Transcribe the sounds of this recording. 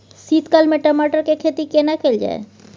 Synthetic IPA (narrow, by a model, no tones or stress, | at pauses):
siːt̪kalmẽʈəmaːʈəɾkekʰeːt̪ikeːnakeld͡ʒa̰ːḛ